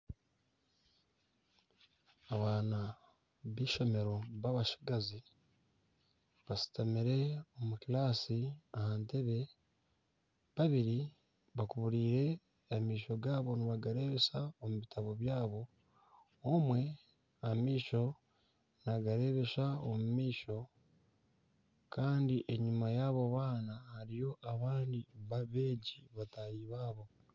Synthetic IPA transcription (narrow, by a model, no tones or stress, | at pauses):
aβaːna | βiːʃo̞me̞ɾo̞βaβaʃi̥ɡazi | βasi̥tamiɾe̞omukilaːsiahaːnte̞βe̞ | βaβiɾi | βakuβuɾiːɾe̞ | amiːʃo̞ɡaːβo̞niβaɡaɾe̞ːβe̞saomuβitʰaβo̞βjaːβo̞ | omwe̞ | amiːʃo̞ | naɡaɾe̞βe̞saomumiːʃo̞ | kʰaːndiʔe̞ɲumajaːβo̞βaːnahaɾijo̞ʔaβaːndiβaβeːɟiβatajiːβaːβo̞